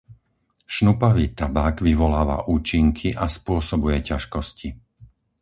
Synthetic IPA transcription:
ʃnupaʋiːt̪abaːɡʋiʋɔlaːʋa̰ʔuːt͡ʃiŋkʰiʔaspʊɔsɔbujɛcaʃkɔsci

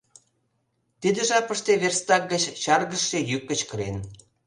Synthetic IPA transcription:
t̪id̪ə̆ʒɑpəʃt̪eβerst̪ɑk̚ɡət͡ɕɕɑrɣəʃːejyk̚ːə̆t͡ɕkəɾen

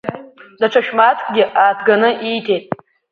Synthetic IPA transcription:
daʈ͡ʂʷʰaʃᶣmatʰkʼɡʲɪʔaːtʰɡanɨʔijtʰe̞jtʼ

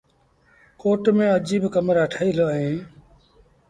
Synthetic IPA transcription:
koːʈmẽːəd͡ʒiːbkəmɾaːʈʰaːiːloːẽː

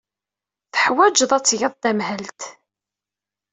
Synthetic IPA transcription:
θəħwæd͡ʒðˤæt͡sːjəðˤd̪æmɦəlt̪

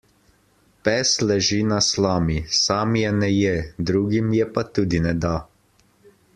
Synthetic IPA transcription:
pɛːslɛʒinaslaːmisaːmjɛnɛjɛd̪ɾuːɡimjɛpat̪uːd̪inɛd̪a

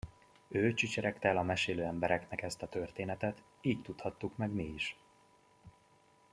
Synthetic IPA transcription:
øːt͡ʃit͡ʃɛɾɛkt̪ɛlɒmɛʃeːløːɛmbɛɾɛknɛkɛst̪ɒt̪ørt̪eːnɛt̪ɛt̪ | iːct̪ut̪hɒt̪ːukmɛɡmiiʃ

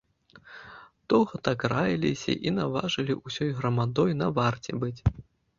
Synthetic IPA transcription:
d̪̥ɔwɣɐt̪akrajilʲḭsʲɐ̰ʔinava̰ʐɨlʲiʔusʲɔjɣɾɐmad̪ɔjnɐvart͡sʲɛbɨt͡sʲ

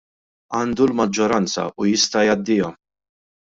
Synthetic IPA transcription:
ɐːnd̪ulmɐd͡ʒːɔɾɐnt͡sɐ̰ʔujɪst̪ɐjɐd̪ːɪjɔm

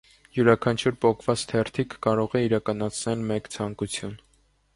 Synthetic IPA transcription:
juɾɑkʰɑnt͡ʃʰuɾpɔkʰvɑt͡st̪ʰɛɾt̪ʰikʰːɑɾɔʁɛiɾɑkɑnɑt͡sʰnɛlmɛkt͡sʰɑŋkut͡sʰjun

